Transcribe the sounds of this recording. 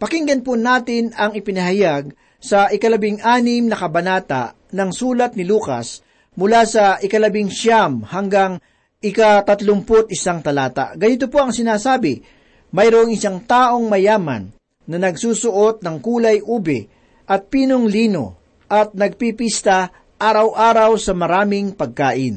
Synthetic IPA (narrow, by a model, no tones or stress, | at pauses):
pɐkiŋɡɐnpʊnaːt̪ɪnɐŋɪpɪnɐɦɐjaɡ̚ | sɐʔɪkɐlɐbɪŋʔaːnɪmnɐkɐbɐnaːt̪a̰ʔ | nɐŋsuːlɐt̪̚nɪluːkɐ̰s | mʊlasɐʔɪkɐlɐbɪŋʃamhɐŋɡaŋ | ʔɪkat̪ɐt̪lʊmpot̪̚ʔɪsaŋt̪ɐlaːt̪a̰ɡɐnɪt̪̬opoɐŋsɪnaːsaːbɪ | mɐjɾoʔŋɪsaŋt̪aːʔo̞ŋmɐjaːmɐ̰nː | ɐnɐɡsuːsʊʔo̞t̪̚nɐŋkuːlɐjʔuːbɛ̰ | ʔɐt̪̚piːnoŋliːno̞̰ | ʔɐt̪̚nɐɡ̚pipist̪ɐ | ʔaːɾɐwʔaːɾɐwsɐmɐɾaːmɪŋpɐɡ̚kaːʔɪn